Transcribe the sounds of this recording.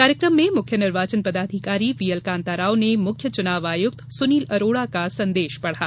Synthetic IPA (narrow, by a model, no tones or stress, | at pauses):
kaːɾjəkɾəmːẽmʊkʰjənɪɾʋaːt͡ʃənpɐd̪aːd̪ʱikaːɾiʋijəlkãːnt̪aːɾaːonemʊkʰjət͡ʃʊnaːʋaːjʊk̚t̪sʊniːlɐɾoːɽakasɐ̃nd̪eːʃpɐɽ̤aː